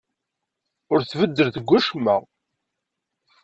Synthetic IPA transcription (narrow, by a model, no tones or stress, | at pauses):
ʊɾθvəd̪ːəɾθəɡʷːæʃmæ̰